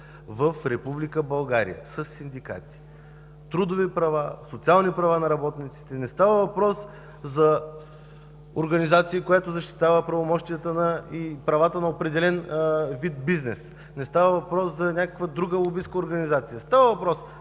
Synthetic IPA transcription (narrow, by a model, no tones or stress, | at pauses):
vɐfɾɛpublikəbɐlˠɡaɾḭjə̰sɐsːind̪ika̰t̪i̥ | t̪ɾud̪ovipɾɐvasot̪sialˠnipɾɐvanɐɾɐbɔt̪nit̪si̥t̪ɛnɛst̪avəvɐpɾɔs | zɐ | oɾɡɐnizat̪siːkojat̪ozɐʃt̪i̥t̪avəpɾɐvomɔʃt̪ijət̪ənəipɾɐvat̪ənɐopɾɛd̪ɛlɛnvid̪̚biznɛs | nɛst̪avəvɐpɾɔszɐnʲakəkvəd̪ɾuɡəlˠobiskəoɾɡɐnizat̪sijəst̪avəvɐpɾɔs